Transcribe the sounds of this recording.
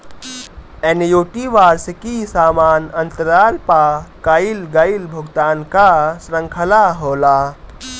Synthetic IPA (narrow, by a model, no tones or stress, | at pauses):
enjoːʈiʋaːɾsekisaːmaːnənt̪əɾaːlpakailɡəilbʱuɡt̪aːnkasɾəŋkʰəlaɦoːla